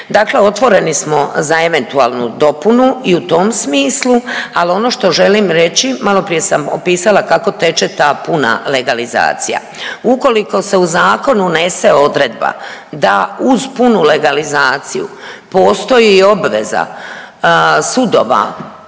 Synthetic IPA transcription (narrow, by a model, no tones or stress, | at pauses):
d̪aːkle̞o̞t̪ʋo̞ɾe̞nismo̞zae̞ʋe̞nt̪uaːlˠnṵd̪o̞punuiut̪o̞msmiːslualio̞no̞ʃt̪o̞ʒe̞liːmɾe̞t͡ɕimalo̞pɾije̞samopiːsalakako̞t̪e̞t͡ʃet̪aːpuna̰le̞ɡaliza̰ːt̪sija̰ | uko̞liko̞se̞uzaːko̞nune̞se̞o̞d̪ɾed̪̚ba̰d̪auzpunule̞ɡalizaːt̪sijṵpo̞ːst̪o̞jiːo̞bʋe̞̰za̰ | sud̪o̞̰ʋa̰